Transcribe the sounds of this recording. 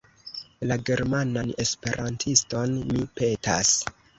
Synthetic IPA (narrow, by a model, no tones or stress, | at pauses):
laɡe̞ɾmanane̞spe̞ɾʔantʰisto̞nmipe̞ta̰s